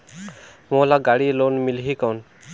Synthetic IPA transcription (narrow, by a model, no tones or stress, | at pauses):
molaɡaɽilonmilɦikawn